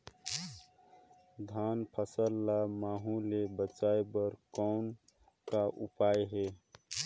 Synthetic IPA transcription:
d̪ʱanpʰəsəlːamaːɦũlebət͡ʃaebəɾkɔn | kaʔupajɦe

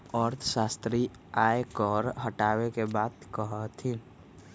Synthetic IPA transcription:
ɔːɾt̪ʰəʃaːst̪ɾi | aːekɔɾɦəʈaːwekebaːd̪kəɦət̪ʰĩ

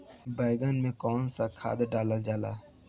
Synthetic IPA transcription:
baːɪɡənmẽkɔːnsakʰa̰ːd̪ɖaːlad͡ʒaːla̰ː

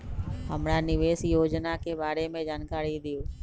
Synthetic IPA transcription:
ɦəmɾanɪʋeːsijoːd͡ʒnakʰeːbaːɾemẽd͡ʒaːnkaːɾid̪ɪjoː

